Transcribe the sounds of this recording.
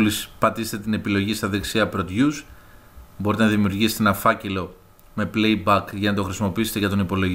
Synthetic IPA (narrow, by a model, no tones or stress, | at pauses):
lispɐt̪ise̥t̪et̪ine̞pilo̞ʝist̪ɐðeksiɐpɾo̞t̪ʝus | bo̞ɾit̪enɐðimiuɾʝiset̪enɐfɐce̞lo̞ | me̞ple̞jbɐkʝɐnɐt̪o̞xɾisimo̞piise̞t̪eʝɐt̪o̞nipo̞lo̞ʝ